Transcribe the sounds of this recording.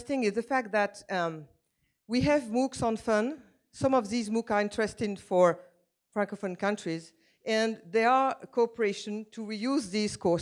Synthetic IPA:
stɪ̃ŋɪzðəfæk̚t̪̚ðæt | wiævmuksɔ̃nfʌ̃n | sʌ̃mɔvðizmukə˞ɪ̃ntɹɛstɪ̃ŋfɔ˞ | fɹæ̃ŋkofə̃nkʌ̃ntɹ̥iz | ɛ̃nðɛəkʰopəɹeɪʃɨ̃ntʰuɹijuzðiz̥kʰɔ

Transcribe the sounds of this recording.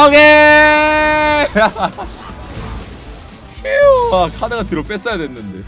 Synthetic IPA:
oɡe | keoakʰadaɡatɯɾop͈e̞s͈ʌjadwe̞nːɯnde̞

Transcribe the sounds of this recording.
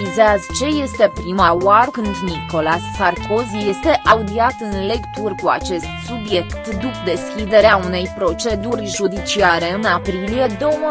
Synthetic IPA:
izeazt͡ʃe̞je̞st̪e̞pɾimawarkɨnd̪niko̞lasːarko̞zije̞st̪e̞ʔaud̪iat̪ɨnle̞kt̪urkua̰t͡ʃe̞st̪subje̞kt̪d̪upd̪e̞skʲid̪e̞ɾeaune̞jpɾo̞t͡ʃe̞d̪urʲʒud̪it͡ʃiaɾe̞ɨnapɾilije̞d̪o̞m

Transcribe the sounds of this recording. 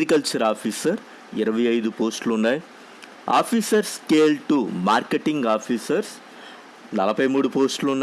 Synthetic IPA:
ikɐlt͡ʃɐɾaːpiːsɐɾ | ɪɾɐʋɐjɐjd̪upoːsʈluɳːaːj | a̰ːpʰiːsɐɾskeːlʈumaːɾkeʈiŋɡaːpʰiːsɐɾs | nɐlɐpɐjmuːɽupoːsʈlunːaː

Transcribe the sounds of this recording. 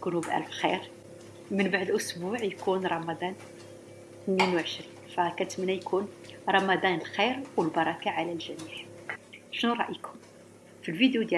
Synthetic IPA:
kunubʔæ̰lfxḭɾ | mənbaʕd̪lʔʊsbuʕjkunɾˤɑmɑd̪ˤɑn | θnːinwʕəʃɾinfækæt̪mənːæjkʰunɾˤɑmɑd̪ˤɑnəlxiɾwəlbɑɾˤɑkaʕalælʒæniħ | ʃnuɾˤɑʔikʰʊm | filvid̪jud̪jæ

